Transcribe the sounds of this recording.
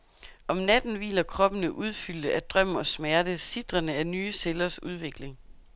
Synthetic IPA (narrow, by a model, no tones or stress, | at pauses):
ʔɒ̽mnæd̥n̩ʋḭːlɐkʰʁɒ̽b̥ənəʔuð̞ˠfyl̰d̥əʔæd̥ʁœm̰ɒ̽smæɐdəsid̥ʁɐnəæɐnyːselɐsuð̞ˠʋe̝ɡ̥le̝ŋ